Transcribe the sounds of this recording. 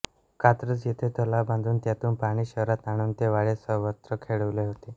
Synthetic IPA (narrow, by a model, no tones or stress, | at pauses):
kat̪ɾət͡sjet̪ʰet̪ʰəlabãnd̪ʱuːnt̪jat̪uːnpaɽ̃iːɕəɦɾat̪aɽ̃uːnt̪eʋaɭesəɦʋət̪ɾəkʰeɭəʋleɦot̪e